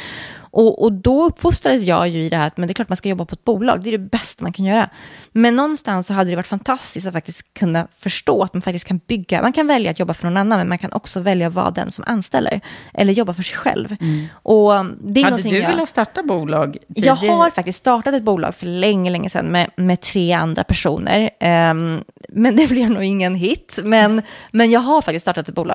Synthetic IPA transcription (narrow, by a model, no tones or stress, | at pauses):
ʔɔʔɔd̪ɔɵpːfʊst̪ɾad̪əsjɑ̰ːjɵɪd̪ɛhæːɾat̪mɛnd̪ɛklɑːʈmanskajɔbːapʰɔɛt̪̚buːlɑ̰ːɡ̚d̪ɛæɖɛbɛst̪amankʰanjœːɾa̰mɛnːɔnːst̪ansːɔɦad̪əd̪ɛvaʈːfant̪ʰast̪ɪskt̪at̪fak̚t̪ɪst̪kʰːɵnːafœʂʈoːat̪̚manfak̚t̪ɪst̪kʰːanbʏɡːa̰mʔankʰanvɛljat̪jɔbːafœɳɔnanːanmɛnmankʰanʔɔ̰ksɔvɛljaɔvɑ̰ːd̪ɛ̰nsɔmʔa̰nːst̪ɛ̰lːə̰ɾʔɛ̰lːəɾjɔbːafœʂɛjɧɛ̰lvʔɔd̪ɛɾnɔnːʰɪɵjɪlːat̪st̪ɑːʈabuːlɑːɡjɑːɡaɾfak̚t̪ɪsk̪st̪ɑːʈat̪ɛt̪̚buːlɑ̰ːɡfœɭɛŋːəlɛŋːəsɛ̰nːmɛmɛt̪ʰɾeːa̰nd̪ɾa̰pʰæʂṵːnə̰ɾ | mɛnd̪ɛblɪɾnuːɡɪŋːənɦɪt̪ːmɛnmɛnjɑːɡɦaɾfak̚t̪ɪst̪st̪ɑːʈat̪ɛt̪̚buːlɑ̰ːɡ